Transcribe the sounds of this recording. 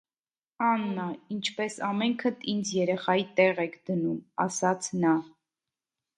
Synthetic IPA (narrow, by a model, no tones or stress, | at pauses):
ɑnːɑint͡ʃʰpɛsɑmɛŋkʰət̪ʰind͡zjɛɾɛχɑjit̪ɛʁɛkʰd̪ənumɑ̰sɑt͡sʰnɑ